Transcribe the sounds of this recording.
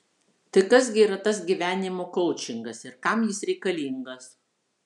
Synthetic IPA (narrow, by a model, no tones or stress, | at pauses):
t̪ɐɪkɐs̬ɡʲɪiːɾɐt̪ɐs̬ɡʲiʋʲæːnʲɪmoːkɔʊt͡ʃʲɪŋɡɐsɪɾkɐmjɪsɾʲɛɪkɐlʲiːŋɡɐs